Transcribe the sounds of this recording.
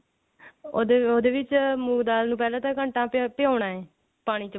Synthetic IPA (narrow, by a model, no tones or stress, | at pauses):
od̪oːd̪eːʋɪt͡ʃmuːɡd̪aːlnũːp̬ɛːlãːt̪ãːkəɳʈãːpɪjaːɳãːɛː | paːɽ̃iːt͡ʃ